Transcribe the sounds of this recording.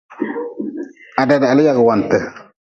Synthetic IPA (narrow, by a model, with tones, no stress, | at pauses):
a˨da˨da˨lɪ˦ja˨ɡɪ˨wa˨n˨tɛ˨